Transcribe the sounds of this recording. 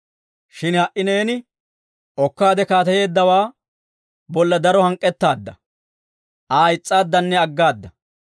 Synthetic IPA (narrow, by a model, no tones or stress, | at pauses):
ʃɪnhɐʔɪne̞ːnɪ | ʔɔkːaːd̪ɛkaːt̪ɐje̞ːd̪ːɐwaː | bɔlːɐd̪ɐɾɔhɐŋkʼːɛt̪ːaːd̪ːɐ | ʔaːɪt͡sʼːaːd̪ːɐnːɛɐɡːaːd̪ːɐ